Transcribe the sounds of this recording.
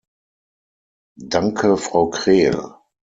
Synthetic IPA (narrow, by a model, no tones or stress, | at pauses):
daŋkʰəfʁ̥aʊkʁ̥eːl